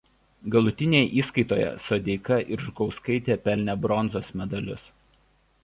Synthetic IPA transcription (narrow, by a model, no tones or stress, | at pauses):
ɡɐlˠʊt̪ʲɪnʲeːjɛʔiːskɐɪt̪oːjɛ̰sod̪ʲɛɪkɐʔɪɾʒɡɒʊskɐɪt̪ʲeːpʲɛlʲnʲɛbɾɔnzoːsmʲɛd̪ɐlʲʊs